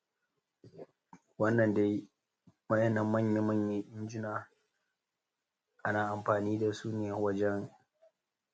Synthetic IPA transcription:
wɐ˦nːɐ˨nde˦j | mɐ˦jɛ˦nːɐ˨mːɐ˦˨ɲje˦mɐ˦˨ɲje˦ʔɪ˦nd͡ʒɪ˦naː˨ | ʔa˦naː˨ʔa˨mɸaː˨niː˦da˨suː˦nɪ˦˨ja˨˦wɐ˦d͡ʒɛ˦ŋ

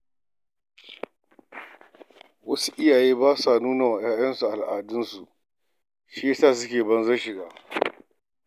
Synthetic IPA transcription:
wɐ˦su̥˦ʔɪ˦jaː˨jeː˦baː˦sa˨nuː˦na˨wa˨jaː˦jɐ˦nsu˨ʔa˨lʔaː˨dʊ˦nsu˨ | ʃi˦je˦saː˦˨s̬ʊ˦kʲeː˨bɐ˦nzɐ˦ʃɪ˨ɡaː˦

